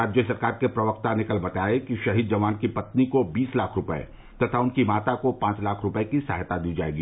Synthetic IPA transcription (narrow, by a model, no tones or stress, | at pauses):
aːd͡ʒjəsɐɾkaːɾkepɾɐʋəkt̪anɪkəlbɐt̪aːekiʃɐɦid̪̚d͡ʒɐʋaːnkipɐt̪nikobiːslaːkʰɾʊpɛḛ | t̪ɐt̪ʰaʊnkimaːt̪akopãːt͡ʃlaːkʰɾʊpəekisaːɦt̪ad̪iːd͡ʒa̰ːḛːɡiː